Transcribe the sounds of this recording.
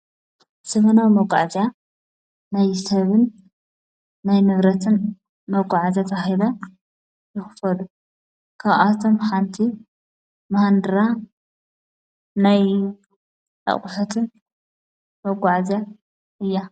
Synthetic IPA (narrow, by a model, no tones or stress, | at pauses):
sɐβɐnawmɐɡʷʼa̰ʕzja | najsɐβɨn | ajnɨβɾɐt̪ʰɨn | mɐɡʷʼaʕzat̪ʰɐxidɐ | jɨxɨ̥fɐlu | kʰaβʔat̪ʰomxant̪ʰi | mahand̪ɨɾa | naj | ʔɐ̰χʼʊħut̪ʰɨn | mɐɡʷʼaʕza | ʔɨjːa